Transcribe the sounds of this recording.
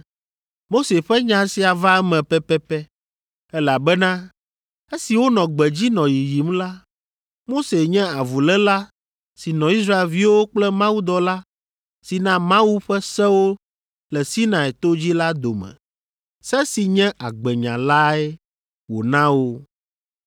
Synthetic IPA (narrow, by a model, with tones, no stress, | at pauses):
mo˦se˨ɸɛ˦ɲã˨˦si˨a˨va˦ɛ˦mɛ̃˨pɛ˦pɛ˦pɛ˦ | ɛ˦la˨bɛ˦nã˦ | e˦si˨wo˦nɔ̃˨ɡ͡bɛ˨d͡ʑi˦nɔ̃˨ji˨ji˨mla˦ | mo˦se˨ɲɛ̃˦a˨vu˨lɛ˦la˦ | si˨nɔ̃˨i˦s̬ɾa˦e˨lvi˦wo˦k͡plɛ˦mã˦wu˦d̪ɔ˨la˦ | si˨nã˦mã˦wu˦ɸɛ˦sɛ̃˦wo˦ | lɛ˨si˦nã˨ɛ˨t̪o˦d͡ʑi˦la˦d̪o˨mɛ̰̃˨ | sɛ˦si˨ɲɛ̃˦ʔa˨ɡ͡bɛ˨ɲã̰˨la˦ɛ˦ | wo̰˨nã˦wo˦